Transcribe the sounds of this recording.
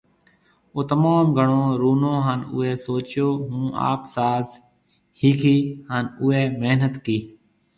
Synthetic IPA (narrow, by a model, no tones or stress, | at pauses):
oːt̪əmaːmɡʱəɳõːɾuːnõːɦaːnʊ̰ɦeːsoːt͡ʃjoːɦũːʔa̰ːpsaːz | hiːkʰiːhaːnʊːɦeːmeɦnət̪kiː